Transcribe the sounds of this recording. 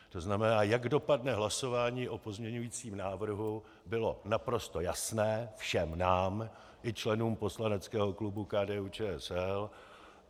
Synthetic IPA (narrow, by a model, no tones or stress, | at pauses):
t̪o̞znamɛnaːjaɡdo̞padnɛɦlaso̞vaːɲiːʔo̞po̞zmɲɛɲujiːt͡siːmnaːvr̩ɦu | bɪlo̞napɾo̞st̪o̞jasnɛːfʃɛmnaːm | ʔɪt͡ʃlɛnuːmpo̞slanɛt͡skɛːɦo̞klubukaːdɛːuːt͡ʃɛːɛsɛl